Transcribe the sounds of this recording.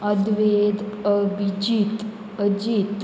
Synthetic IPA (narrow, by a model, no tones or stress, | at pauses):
əd̪ʋed̪əbid͡ʑit̪ | əd͡ʑit̪